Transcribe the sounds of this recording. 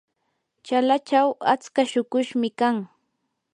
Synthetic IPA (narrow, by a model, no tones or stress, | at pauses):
t͡ʃalat͡ʃawat͡skaʃʊkʊʃmɪkaŋ